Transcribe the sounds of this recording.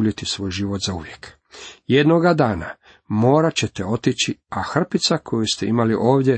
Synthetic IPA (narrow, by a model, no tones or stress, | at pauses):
ʎit̪isʋo̞ːjʒiːʋo̞t̪zauʋjek | jed̪noɡad̪aːna | mo̞ːɾat͡ɕet̪eo̞t̪it͡ɕiaxr̩pit̪sakʰo̞just̪e̞imaliʔo̞ːʋd̪je